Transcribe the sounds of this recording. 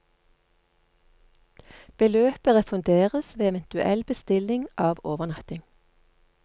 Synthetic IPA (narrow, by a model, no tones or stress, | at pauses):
b̥əløːpəʁəfʉnd̪eːʁəsʋeːɛʋənt̪ʉʔɛ̰lbəst̪ɪlɪŋʔɑːʋoːʋəʁnɑt̪ɪŋ